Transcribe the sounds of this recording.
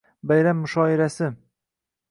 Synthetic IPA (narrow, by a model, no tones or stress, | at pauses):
bajɾamːʊʃɒɪɾasɪ